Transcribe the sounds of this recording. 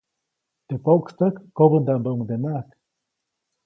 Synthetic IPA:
t̪epokst̪akːobənd̪ambəuŋd̪enak

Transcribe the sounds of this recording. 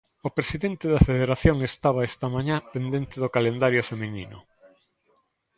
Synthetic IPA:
opɾesiðent̪eðɐfeðeɾaθjoŋest̪aβaest̪ɐmaɲapend̪ent̪ɪðokalend̪aɾjofeminḭnʊ̰

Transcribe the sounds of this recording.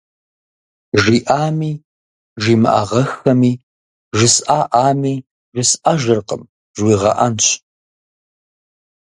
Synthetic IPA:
ʒiːʔaːmiː | ʒiːmɨʔa̰ʁɐxɐmiː | ʒɪsʔaːʔaːmiː | ʒɪsʔaʒɐrqə̰m | ʒwiːʁɐ̰ʔɐnɕʰ

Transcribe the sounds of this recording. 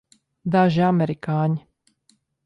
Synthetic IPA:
d̪aʒiamɛɾikaːɲ

